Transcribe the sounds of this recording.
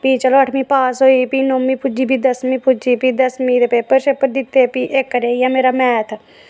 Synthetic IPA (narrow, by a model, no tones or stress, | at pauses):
piːt͡ʃəloːəʈʰmĩːpaːsɦoːiːpiːnoːmiːpʊd͡ʒiːbʱiːd̪əsmĩːpʊd͡ʒiːpiːd̪əsmĩːɾepeːpəɾʃepəɾd̪ɪt̪ːeːpiːʔekːəɾeːiameːɾaːmɛːt̪ʰ